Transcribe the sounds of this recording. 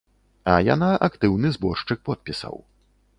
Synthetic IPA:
ɐja̰naʔakt̪ɨwnɨzbɔʂt͡ʂɨk̚pɔt̪̚pʲisɐ̰w

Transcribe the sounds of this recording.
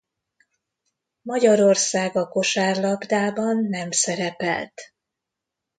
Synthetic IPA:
mɒɟɒɾo̞rsaːɡɒko̞ʃaːrlɒbd̪aːbɒnːɛmsɛɾɛpɛ̰lt̪

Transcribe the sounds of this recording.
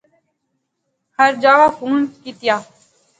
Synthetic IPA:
həɾd͡ʒaːʋaːkʰuːnkiːt̪ɪjaː

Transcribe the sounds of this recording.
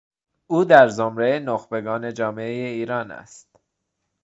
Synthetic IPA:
uːd̪æɾzomɾeenoxbe̞ɡɒːne̞d͡ʒɒːmeejeiːɾɒːnæ̰st̪̚

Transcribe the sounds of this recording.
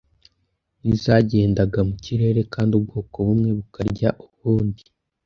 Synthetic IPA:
nizaɟe̞ːndaɡamuciɾe̞ːɾe̞kaːndiub̚ɡoːko̞βumŋe̞βukaɾɟaʔuβuːndi

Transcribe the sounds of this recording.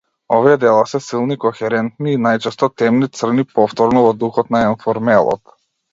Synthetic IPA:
ɔviɛd̪ɛlˠasɛsilˠnikɔxɛɾɛnt̪niːnajt͡ʃɛst̪ɔt̪ɛmnit̪sr̩nipɔft̪ɔɾnɔvɔd̪uxɔt̪naɛnfɔɾmɛlˠɔ̰t̪

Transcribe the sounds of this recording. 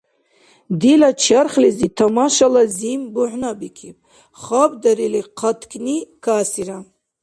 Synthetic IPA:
d̪ilat͡ʃʰaɾχlizit̪ʰamaʃalazimbuʕnabikʰip̚ʼ | χabd̪aɾiliqʰat̪ʰkʰʼnikʰasiɾa

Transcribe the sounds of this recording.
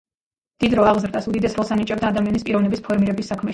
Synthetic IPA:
d̪̥id̪ɾɔaʁzɾd̪asud̪id̪ɛsɾɔlˠsanit͡ʃʼɛbd̪aːd̪amianispʼiɾɔvnɛbispʰɔɾmiɾɛbisːakʰmɛ

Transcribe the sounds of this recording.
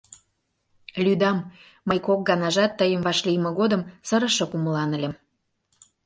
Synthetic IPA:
lʲyd̪ɑmː | əjkok̚ɡɑnɑʒɑt̪ːəjəmvɑʃlijmə̆ɣod̪ə̆msəɾə̆ʃokuməlɑnə̆lʲĕm

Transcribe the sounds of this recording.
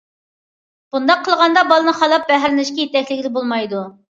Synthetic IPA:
b̥und̪ɑqʰːəlˠʁɑnd̪ɑbɑlˠɨnɨχɑlˠɑp̚bɛɦæɾɪnlɪʃkʲijet̪ɛkʲlɪkʲlɪbolˠmɑjd̪u

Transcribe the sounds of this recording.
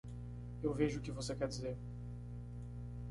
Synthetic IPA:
ewveʒʊʊkɪvosekɛɾd͡ʒizeɾ

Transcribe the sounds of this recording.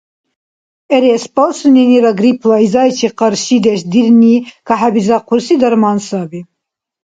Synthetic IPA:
ɛɾespɑlsuniniɾɑɡɾipʰlˠɑizɑjt͡ʃʰiqəɾʃid̪ɛʃd̪iɾnikʰɑħæbizɑqʰuɾsid̪ɐɾmɑːnsɑbi

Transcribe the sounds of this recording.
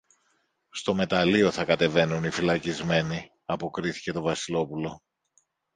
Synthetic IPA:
st̪o̞me̞t̪ɐlio̞θɐkɐt̪e̞ve̞nunifilɐcizme̞ni | ɐpo̞kɾiθi̥ce̞t̪o̞vɐsilo̞pulo̞

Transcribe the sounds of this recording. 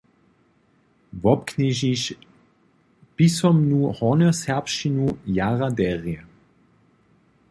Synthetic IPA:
vɔpkniʒiʃ | pisɔmnuhɔnɔsɛɐpʃinujaʁad̪ɛʁiə

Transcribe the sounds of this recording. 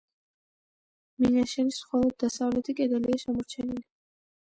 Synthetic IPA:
minaʃɛnisχɔlˠɔd̪̚ːasavlɛt̪ʰikʼɛd̪aliaʃamɔɾt͡ʃʰɛnili

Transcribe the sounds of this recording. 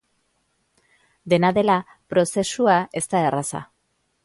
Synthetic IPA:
d̪e̞naðe̞la | pɾo̞se̞suae̞st̪ae̞rasa̰

